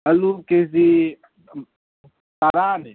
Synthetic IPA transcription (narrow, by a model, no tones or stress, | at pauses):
ɐlukezi | t̪aɾaːne